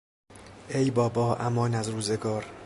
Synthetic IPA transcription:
ʔe̞jbɒːbɒːʔæmɒːnæzruːzeɡɒːɾ

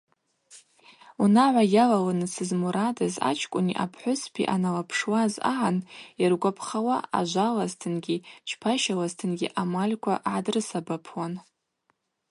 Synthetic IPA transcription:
unaʕʷajalalanɨsɨzmuɾadaza̰t͡ʃʰkʷʼʊniʔa̰pʰħʷʊspʰḭʔanalapʰʂwaza̰ʕanjarɡʷapʰχawaa̰ʒʷalaztʰɨnɡʲit͡ʃʰpʰaʃalaztʰɨnɡʲḭʔamalʲkʷʰa̰ʔʕadrɨsabapʰwan

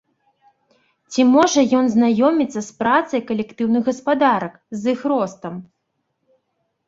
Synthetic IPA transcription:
t͡sʲimɔʐɐjɔnznajɔmʲit̪sːɐspɾat̪sɐjkɐlʲɛkt̪ɨwnɨɣɐspad̪aɾɐkzɨxɾɔst̪ɐm

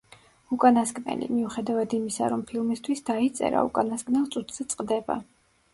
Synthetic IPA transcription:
ukʼanaskʼnɛ̰lḭmiuχɛd̪avad̪imisa̰ɾɔmpʰilˠmist̪ʰwisd̪ait̪sʼɛ̰ɾa̰ukʼanaskʼnɛlˠt̪sʼut̪ʰz̥ɛt̪sʼqʼd̪ɛba̰

